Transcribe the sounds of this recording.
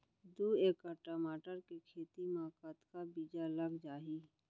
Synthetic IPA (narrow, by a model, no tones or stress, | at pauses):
d̪ueːkəʈaːmaːʈəɾkekʰeːt̪imaːkaːt̪kabiːd͡ʒaləɡd͡ʒaːɦiː